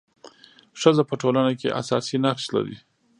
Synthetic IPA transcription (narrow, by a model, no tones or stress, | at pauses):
ʂəzapəʈolanakḛʔa̰sɑsinaɾsla̰ɾḭ